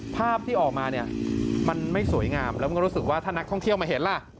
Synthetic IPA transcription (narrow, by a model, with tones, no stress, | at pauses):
pʰaː˥˩p̚t̪ʰiː˥˩ʔɔː˨˩k̚maː˧ni˥˩ɐma˧nma˥˩jsu˨˩˦jŋaː˧mlɛː˦˥ma˨˧˥ɾu˦˥sɯ˨˩k̚waː˥˩t̪ʰaː˥˩na˦˥k̚t̪ʰɔ˥˩ŋt̪ʰi˥˩əwma˧ɦe˩˦nla˧˩